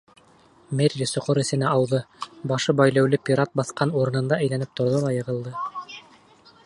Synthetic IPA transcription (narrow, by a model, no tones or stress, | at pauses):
mʲerʲisŏqoɾɘ̆sɘ̆næʔɑwðɤbɑʃɤbɑjlæwlɘpʲiɾɑt̪̚bɑθqɑnuɾɤ̆nɤ̆nd̪ɑɘ̆jlænɘp̚t̪ŏɾðolˠɑjɤ̆ʁɤ̆lˠd̪ɤ